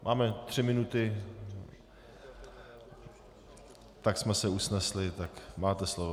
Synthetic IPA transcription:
mʔaːmɛt̪r̥ɪmɪnut̪ɪ | t̪aksmɛsɛusnɛslɪt̪akmaːt̪ɛslovo

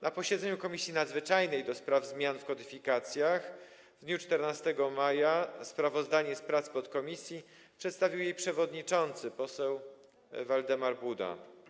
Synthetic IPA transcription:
napɔɕɛd̪zɛɲukɔmʲisʲjinad̪zvɘt͡ʂajnɛjd̪ɔspɾavzmʲjanfkɔd̪ɘfʲikat̪sʲjax | vd̪ɲut͡ʂt̪ɛɾnast̪ɛɡɔmajaspɾavɔzd̪aɲɛspɾat̪spɔt̪kɔmʲisʲji | pʂɛt̪st̪avʲiwjejpʂɛvɔd̪ɲit͡ʂɔnt̪sɘpɔsɛw | vald̪ɛmaɾbud̪a̰

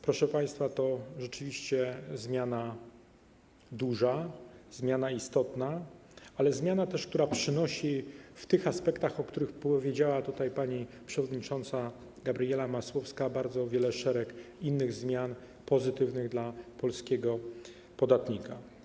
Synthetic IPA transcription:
pɾɔʂɛpaj̃st̪fat̪ɔʐɛt͡ʂɘvʲiɕt͡ɕɛzmʲjana | d̪uʐazmʲjanaist̪ɔt̪naalɛzmʲjanat̪ɛʂkt̪uɾapʂɘnɔɕift̪ɘxaspɛkt̪axɔkt̪uɾɘxpɔvʲjed͡ʑawat̪ut̪ajpaɲi | pʂɛvɔd̪ɲit͡ʂɔnt̪sa | ɡabɾijɛlamaswɔfskabaɾd̪zɔvʲjɛlɛʂɛɾɛkinːɘɣzmʲjan | pɔzɘt̪ɘvnɘɣd̪lapɔlskʲɛɡɔ | pɔd̪at̪ɲika

